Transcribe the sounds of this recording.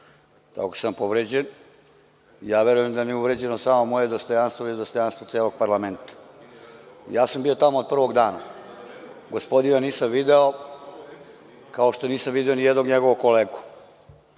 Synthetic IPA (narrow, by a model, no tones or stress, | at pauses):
t̪a̰kosampo̞ʋɾed͡ʑen | ijaːʋe̞ɾujemd̪aniuʋɾed͡ʑenosaːmomo̞jed̪ost̪o̞janst̪ʋoid̪ost̪o̞janst̪ʋot̪seːloɡ̚paɾlame̞nt̪ḁ | ḭjaːsambiːo̞t̪amood̪̚pr̩ʋo̞ɡd̪aːna | ɡospo̞d̪inaniːsamʋid̪eo | kaoʃt̪o̞niːsamʋid̪io̞nijɛd̪no̞ɡɲeɡoʋokoleːɡu̥